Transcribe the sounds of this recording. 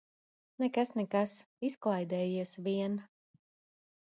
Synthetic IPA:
nɛkasnɛkasisklˠajd̪ɛːjiɛsvʲiɛn

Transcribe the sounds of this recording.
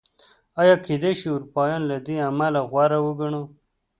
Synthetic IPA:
ɑjɑkʰed̪eʃiuɾupɑjɑnlad̪iamalaɣwaɾawəɡaɳo

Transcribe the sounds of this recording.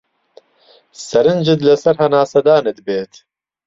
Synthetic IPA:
sɛɾɨnd͡ʒɨd̪lɐsɐɾɦɐnaːsɐd̪aːned̪beːt̪

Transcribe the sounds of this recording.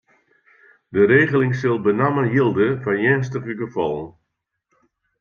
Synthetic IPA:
dəɾeːɣəlɪŋsɪlˠbənaməjilˠdəfanjɛnstəɣəɡəfɔlˠən

